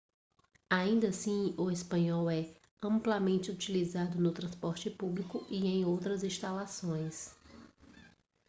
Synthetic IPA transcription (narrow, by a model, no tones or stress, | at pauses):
aĩnd̪ɐsĩʊespɐ̃ɲɔwɛ | ɐ̃mplamẽnt͡ʃɪut͡ʃilizad̪ʊnʊt̪ɾɐ̃spɔɾt͡ʃɪpublikʊʔiẽj̃owt̪ɾɐzĩst̪alasõj̃s